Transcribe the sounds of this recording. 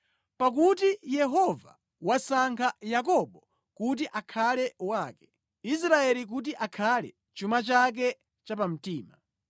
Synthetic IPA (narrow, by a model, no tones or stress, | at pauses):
pak̬utijɛɦɔva̰ | wasaŋkʰajakɔɓɔ | kut̬iʔakʰalɛwaːkɛ | is̬ɾaɛlik̬ut̬iʔakʰalɛ̰ | t͡ʃumat͡ʃak̬ɛ | t͡ʃapam̩tiːma